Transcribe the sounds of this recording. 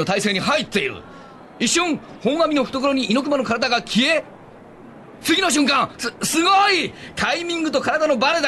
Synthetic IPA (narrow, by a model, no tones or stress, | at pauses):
ot̪aise̞ːɲ̟ihait̪ːe̞iɾɯ̰ | iɕːõŋ | hõ̞ŋ̃amʲino̞ɸɯ̟̥t̪o̞koɾo̞ɲ̟iʔino̞k̬ɯ̟manokaɾad̪aɡakʲʰie̞ | t͡sɨɡʲino̞ɕ̬ɨ̃ŋkãŋsɨɡoit̪ʰaimʲĩŋɡɯ̟t̪o̞kaɾad̪ano̞baɾed̪a